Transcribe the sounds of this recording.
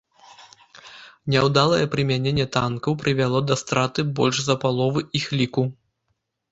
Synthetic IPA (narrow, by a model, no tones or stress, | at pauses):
nʲɛwd̪alˠɐjɛpɾɨmʲanʲenʲːɛt̪ankɐwpɾɨvʲalˠɔd̪ɐst̪ɾat̪ɨbɔlʲʂzɐpalˠɔvɨʔixlʲiku